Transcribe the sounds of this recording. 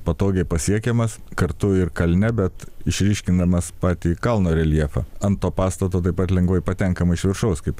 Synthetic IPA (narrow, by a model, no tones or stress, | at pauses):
pɐt̪oːɡʲɛɪpɐsʲiɛkʲɛmɐskɐɾt̪ʊɪɾkɐlʲnʲɛbʲɛt̪ɪʃʲɾʲiːʃʲkʲɪnd̪ɐmɐspɑːt̪ʲiːkɐlˠnoːɾʲɛlʲiɛfɐ̰ɐnt̪ːoːpɑːst̪ɐt̪oːt̪ɐɪpɐt̪lʲɛŋɡʋɐɪpɐt̪ʲɛŋkɐmɐɪɪʃʲʋʲɪɾʃɐʊskɐɪp